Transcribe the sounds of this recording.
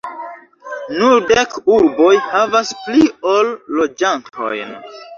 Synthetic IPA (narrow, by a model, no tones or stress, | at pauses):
nuldekuɾbo̞jhavaspliolːo̞d͡ʒantʰo̞̰jn